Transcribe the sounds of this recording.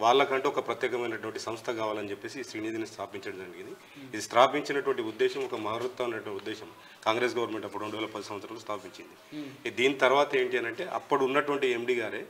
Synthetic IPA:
ʋaːɭlɐkɐɳʈeɔkɐpɾɐt̪jɛːkɐmɐjnɐʈuʋɐɳʈisɐmst̪ʰɐkaːʋaːlɐnit͡ʃepːe̞ːsiːʃɾiːniːd̪inist̪ʰaːpiɲt͡ʃɐɽɐmd͡ʒɐɐɳɖiɡind̪i | id̪ist̪ɾaːpiɲt͡ʃinɐʈuʋɐɳʈiud̪ːɛːʃɐmɔkɐmɐɦɐɾut̪ɐunːɐʈɐud̪ːɛːʃɐm | kaːŋɡɾes̬ɡɐʋɐɾnɐme̞ɳʈɐpːuɽuɾoɳɖuʋɛːlɐpɐd̪ɐsɐm̃ɐsʰɾaːlost̪ʰaːpiɲt͡ʃind̪id̪iːnit̪ɐɾʋaːt̪ɐe̞ːɳʈiɐnɐɳʈe̞ːʔɐ̰pːɐɽiunːɐʈuʋɐɳʈiemɖiːɡaːɾeː

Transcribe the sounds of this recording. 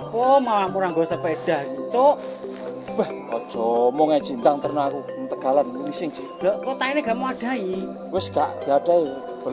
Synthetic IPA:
pɔmaamuɾaŋɡɔsəpeɖ̥aɡit͡ʃoʔ | bɛhɔd̥ʒ̥ɔmɔŋe̥d͡ʒ̥int̪aŋt̪ərnaakut̪əɡ̥a̤lanmisɪŋt͡ʃid̥ɔʔk̪ot̪aineɡ̥amoaɖ̥a̤i | wɪskaʔd̥iaɖ̥ai | b̥ə

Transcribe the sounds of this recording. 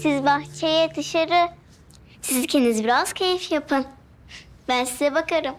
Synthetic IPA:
sizbaxt͡ʃʰejɛd̪ɯʃaɾɯ | sizcʰenizbiɾaz̥cʰejifjapʰɯn | bænsizɛbakʰaɾɯm

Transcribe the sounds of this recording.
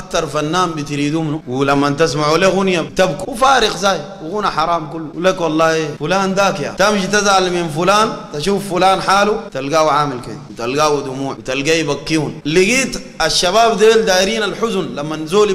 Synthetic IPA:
ak̚t̪ɑɾˤfanːaːmbit̪ɾiːd̪umnuwilamːant̪as̬maʕuleɣunjat̪abkuwfaːɾiɣzaːjwiɣunaħɑɾˤɑːmkulːuwlekwɑlˤːɑːhifulaːnd̪aːkja̰t̪amʃit̪azʕalminfulaːnt̪aʃuːfːulaːnħaːlut̪alɡaːwʕaːmilkḛwit̪alɡaːwid̪umuːʕit̪alɡajibakːihunliɡiːt̪ | aʃːaβaːbd̪eːld̪aːjiɾiːnalħuzunlamːanzoːli

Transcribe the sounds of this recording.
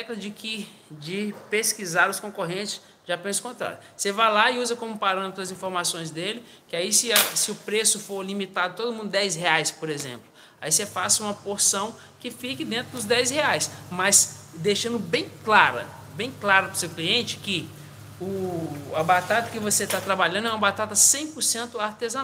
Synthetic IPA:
ɛklɐd͡ʒɪkɪ | d͡ʒɪpeskizaɾʊskõkoɦẽt͡ʃɪ̥s | ʒ̥apẽnɐsʊ̥kõnt̪ɾa̰ɾjʊ | sevajlaɪuzɐkõmʊpaɾɐ̃met̪ɾʊɐzĩfoɾmasõj̃zd̪elɪ | kɪaisɪɐsɪʊpɾesʊfoɾlimit̪ad̪ʊt̪od̪ʊmũnd̪ʊd̪ɛjsɦeajspoɾezḛ̃mplʊ | aisefasɐũmɐpoɾsɐ̃w̃ | kɪfikɪd̪ẽnt̪ɾʊd̪ʊzd̪ɛjzheajsmɐsd̪eʃɐ̃nd̪ʊbẽj̃klaɾɐ̰ | bẽj̃klaɾɐpɾʊsewkliẽnt͡ʃɪ̥kɪ | ʊɐbat̪at̪ɐkɪvoset̪at̪ɾabaʎɐ̃nd̪ʊɛũmɐbat̪at̪ɐsẽj̃pʊɾsẽnt̪ʊaɾt̪ezɐ̃n

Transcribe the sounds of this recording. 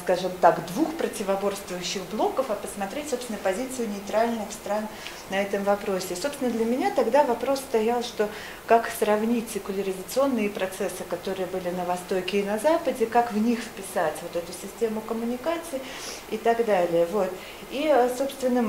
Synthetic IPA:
skaʐɨmt̪akd̪vuxpɾətʲɪvɐbo̞rst̪vʊjʉɕːɪxblˠo̞kəfɐpəsmɐt̪ɾʲetʲso̞pst̪vʲɪnəpɐzʲit̪sɨjʊnʲɪɪt̪ɾalʲnɨxst̪ɾan | nɐɛt̪əmvɐpɾo̞sʲɪsopsʲɪnəd̪lʲəmʲɪnʲat̪ɐɡd̪avɐpɾo̞sst̪ɐjalˠʂt̪o̞ | kaksɾɐvnʲitʲsʲɪkʊlʲəɾʲɪzət̪sɨo̞nːɨjəpɾɐt̪sɛsːɨkɐt̪o̞ɾɨjəbɨlʲɪnəvɐst̪o̞kʲɪːnɐzapədʲɪkakvnʲixfpʲɪsatʲvo̞t̪ɛt̪ʊsʲɪsʲtʲe̞mʊkəmʊnʲɪkat̪sɨɪ | ɪt̪ɐɡd̪alʲɪjəvo̞t̪ | iso̞pst̪vʲɪnːə

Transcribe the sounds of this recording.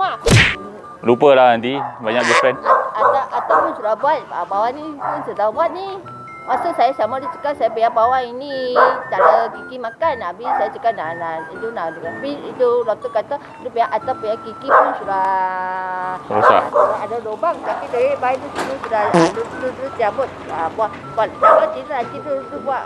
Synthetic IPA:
ma | lupəlaadibaɲakbifɾɛnlaat̪aʔat̪awpunsuɾabuat̪̚a̰bawanipunsət̪abuat̪̚ni | masasajasamadut͡ʃə̥kasajapəjabawainid̪aləkikimakanabisajat͡ʃəkananadunaluaabitulak̚t̪əkat̪a | dupəjaʔat̪apəjakikipunsuɾah | auɾaadadobaŋt̪apiduebaidut̪idusudaadudut̪əɾust̪iabʊt̪̚abua | balabat̪itənant̪it̪udubuaʔ

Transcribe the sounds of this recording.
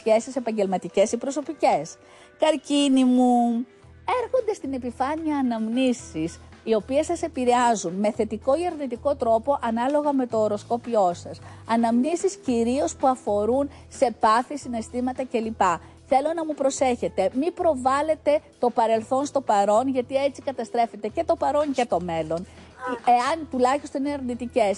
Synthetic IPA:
çe̞sise̞pɐɲɟe̞lmɐt̪ice̞sipɾo̞so̞pice̞s | kɐɾcinimu | e̞ɾxo̞nd̪e̞st̪ine̞pifɐniɐːnɐmnisisio̞pie̞sɐse̞piɾeɐzunme̞θe̞t̪iko̞iɐɾnit̪iko̞t̪ɾo̞po̞ʔɐnɐlo̞ɣɐme̞t̪o̞ːɾo̞sko̞pio̞sɐsɐnɐmnisisciɾio̞spuɐfo̞ɾun | se̞pɐθisine̞st̪imɐt̪ɐce̞lipɐ | θe̞lo̞nɐmupɾo̞se̞çe̞t̪e̞mipɾo̞vɐle̞t̪e̞t̪o̞pɐɾe̞lθo̞nst̪o̞pɐɾo̞nʝɐt̪ie̞t͡sikɐt̪ɐst̪ɾe̞fe̞t̪e̞ce̞t̪o̞pɐɾo̞ncet̪o̞me̞lo̞n | eɐnt̪ulɐçist̪onineɐɾnit̪ice̞s

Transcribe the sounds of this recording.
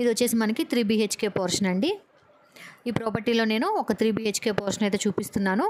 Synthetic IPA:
id̪ʋot͡ʃːeːsimɐnɐkit̪ɾiːbiːɦeːt͡ʃke̞ːpoːɾʂɐnɐɳɖi | iːpɾoːpɐɾʈiːlo̞ːne̞ːnuɔkɐt̪ɾiːbiːɦeːt͡ʃke̞ːpoːɾʂɐnɐjt̪̬e̞ːt͡ʃuːpist̪unːaːnu

